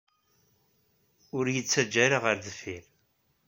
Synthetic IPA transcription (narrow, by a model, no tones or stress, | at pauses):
ʊɾjət͡sːæd͡ʒːæɾaʁəɾðəfil